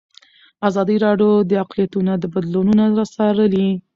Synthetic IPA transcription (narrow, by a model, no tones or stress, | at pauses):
azɑd̪əɾɑɖjod̪əaqlijat̪unad̪əbad̪lununaɾɑsɑɾəli